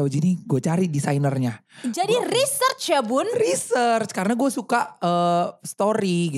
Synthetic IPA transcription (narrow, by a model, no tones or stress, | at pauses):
awd͡ʒiniɡuat͡ʃaɾidisainərɲad͡ʒadirisərt͡ʃjabʊnrisərt͡ʃkaɾənaɡuasukaʔəːst̪oɾiɡi